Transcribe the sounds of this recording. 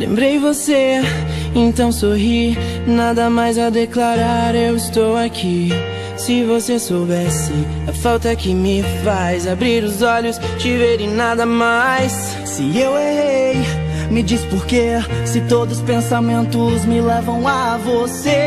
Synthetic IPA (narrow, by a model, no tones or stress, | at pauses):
lḛ̃mbɾejvose | ẽnt̪ɐ̃w̃soɦi | nad̪ɐmajzad̪eklaɾaɾewɪst̪owakʰi | sɪvosesowbɛsɪ | afawt̪ɐkɪmɪfajzabɾiɾʊzɔʎʊst͡ʃiveɾɪ̃nad̪ɐmajsː | ɪeweheej | mɪd͡ʒispoɾkesɪt̪od̪ʊspẽnsamẽnt̪ʊzmɪlɛvɐ̃w̃avose